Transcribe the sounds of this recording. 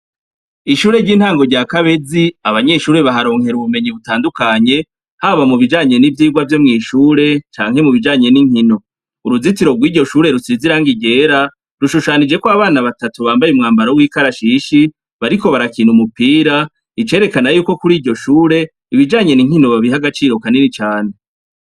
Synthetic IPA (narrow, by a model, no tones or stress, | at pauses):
iʃuːɾe̞ɾɟiːnhaːŋɡo̞ɾɟaːkaβe̞ziaβaɲe̞ʃuːɾe̞βaɦaɾo̞ːŋhe̞ɾuβume̞ɲiβutaːndukaɲe̞ | haβamuβid͡ʒaːɲe̞nivjiːɡwavjo̞mŋiːʃuːɾe̞t͡ʃa̰ːŋ̥he̞muβid͡ʒaːɲe̞niŋ̥hino̞ | uɾuzitiɾo̞ɡwiːɾɟo̞ʃuːɾe̞ɾusiziɾaŋɡiɟe̞ːɾa | ɾuʃuʃaːnid͡ʒe̞kwaβaːnaβatatuβaːmbajumŋaːmbaɾowiːkaɾaʃiʃi | βaɾiko̞βaɾakiːnhumupiːɾa | it͡ʃe̞ɾe̞kanajuːko̞kuɾiːɟɟo̞ʃuːɾe̞ | iβid͡ʒaːɲe̞niŋhino̞βaβiɦaɡat͡ʃiːɾo̞kaninit͡ʃaːne